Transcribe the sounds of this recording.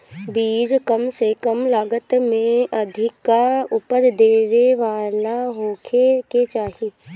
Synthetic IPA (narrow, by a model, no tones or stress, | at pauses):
biːd͡ʒkəmsekəmlaːɡət̪mẽʔɐd̪ʱɪkːaʊpəɾd̪eːʋeʋaːɾnaɦoːkʰeket͡ʃaːɦi